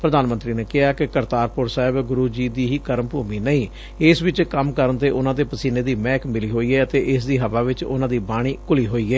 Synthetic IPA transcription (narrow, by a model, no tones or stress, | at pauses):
pɾəd̪aːnmənt̪ɾiːneːkɪɦaːkɪkəɾt̪aːɾpʊɾsaːɦɪbɡʊɾuːd͡ʒiːd̪iːɦiːkəɾəmpuːmiːnəĩː | ɪsʋɪt͡ʃkəmkəɾənt̪eːʔʊnãːd̪eːpəsiːneːd̪iːmɛ̃ːkmɪliːɦoːiːɛːət̪eːʔɪsd̪iːɦəʋaːʋɪt͡ʃʊ̰nãːd̪iːbaːɽ̃iːkʊliːɦoːiːɛː